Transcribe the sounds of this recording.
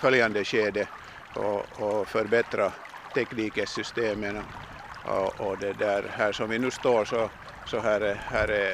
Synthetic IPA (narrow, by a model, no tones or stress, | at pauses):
fœljɑnd̪əɕeːd̪ə | ɔ̰ɔfœɾbɛt̪ɾɑ | t̪ʰɛkniːkəsʏst̪eːmən̰ | ɔd̪ɛd̪æɾhæːʂɔmʋɪnʉːst̪oːɾʂɔ | sɔɦæːɾhæːɾ